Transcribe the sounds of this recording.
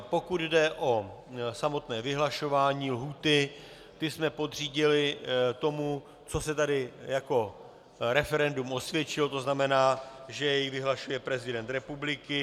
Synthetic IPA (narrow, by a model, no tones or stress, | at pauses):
po̞kud̪dɛʔo̞ | samo̞t̪nɛːvɪɦlaʃo̞vaːɲiːlɦuːt̪ɪ | t̪ɪsmɛpo̞d̪r̝iːɟɪlɪt̪o̞mu | t͡so̞sɛt̪adɪjako̞ | ɾɛfɛɾɛndumo̞svjɛt͡ʃɪlt̪o̞znamɛnaːʒɛjɛjvɪɦlaʃujɛpɾɛzɪdɛnt̪ɾɛpublɪkɪ